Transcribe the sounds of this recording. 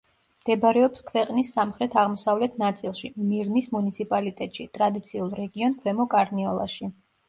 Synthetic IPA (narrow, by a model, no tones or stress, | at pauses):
md̪̥ɛbaɾɛɔpskʰvɛqʼnisːamχɾɛt̪ʰaʁmɔsavlɛt̪ʰnat̪sʼilˠʃimiɾnismunit̪sʰipʼalit̪ʼɛt̪ʼʃit̪ʼɾad̪it̪sʰiulˠɾɛɡiɔnkʰwɛmɔkʼaɾniɔlˠa̰ʃi